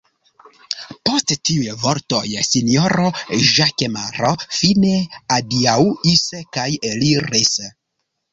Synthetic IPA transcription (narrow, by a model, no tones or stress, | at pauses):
po̞sttiujvoɾto̞̰jsinioɾoʒakemaɾofineadiauiskajeliɾis